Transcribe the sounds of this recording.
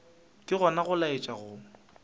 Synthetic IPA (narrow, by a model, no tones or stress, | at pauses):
kʼɪɣɔnaɣʊlaet͡ʃʼaɣʊ